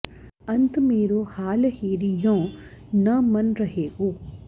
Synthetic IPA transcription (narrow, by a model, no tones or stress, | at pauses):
ɐnt̪meːɾoːhaːlhiːɾijõː | nɐmɐnɾɐɦeːɡoː